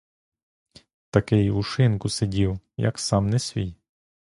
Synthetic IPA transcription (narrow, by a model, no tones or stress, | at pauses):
t̪ɐkɛjʊʃɪnkʊsedʲiw | jɐ̰ksɑmnɛsʲʋʲij